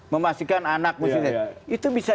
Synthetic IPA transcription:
məmast̪ikananak̚musit̪ɛit̪ubisa

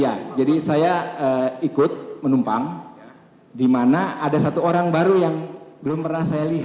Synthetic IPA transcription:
jad͡ʒadisajaəikʊt̪̚mənumpaŋ | dimanaadasat̪uoɾaŋbaɾujaŋbəlʊmpərnahsajaliɦ

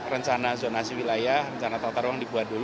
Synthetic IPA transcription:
rəɲt͡ʃanazonasiwilajahrəɲt͡ʃanat̪ɔt̪arwaŋdibuat̪̚dul

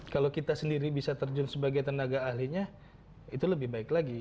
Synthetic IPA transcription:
kalokit̪asəndiɾibisat̪ərd͡ʒʊnsəbaɡajt̪ənaɡaːhɦliɲa | it̪uləbɪhbaɪklaɡi

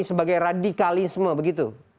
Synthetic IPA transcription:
isəbaɡajradikalisməbəɡit̪u

